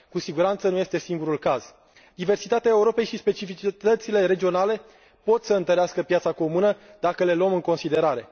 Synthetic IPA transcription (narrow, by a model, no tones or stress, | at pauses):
kusiɡuɾant̪sənuje̞st̪e̞siŋɡuɾulkaz̥ | d̪ive̞rsit̪at̪eaeuɾo̞pe̞jʃispe̞t͡ʃifit͡ʃit̪ət̪sile̞ɾe̞d͡ʒio̞nale̞ | po̞t̪səɨnt̪əɾeaskəpjat̪sako̞munəd̪akəle̞ləmɨŋko̞nsid̪e̞ɾaɾe̞